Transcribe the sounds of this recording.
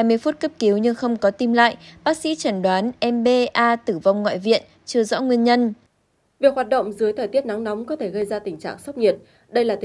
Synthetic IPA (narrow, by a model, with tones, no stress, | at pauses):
a˧˩jmɨ˧əjfu˦˥t̚kə˦˥p̚ki˨˦wɲɨ˧ŋxə˧wŋ͡mkɔ˨˦t̪i˧mla̰ː˧˨jɓaː˦˥k̚sḭ˧˥t͡ɕə˨˩nɗwaː˨˦nʔɛ˧mɓe˧ʔaː˧t̪ɨ˧˩va˧wŋ͡mŋwa̰ː˧˨jvḭ˧˨ən | t͡ɕɨ˧əzɔ̰˧˥ŋwi˧ənɲə˧n | vi˨˩ək̚hwaː˨˩t̚ɗə̰˧˨wŋ͡mzɨ˨˦jt̪ʰəː˨˩jt̪i˦˥ət̚na˨˦ŋna˨˦wŋ͡mkɔ˨˦t̪ʰe˧˩ɣə˧jzaː˧t̪ï˨˩ŋ̟t͡ɕa̰ː˧˨ŋsə˦˥k͡p̚ɲi˨˩ət̚ | ɗə˧jlaː˨˩t̪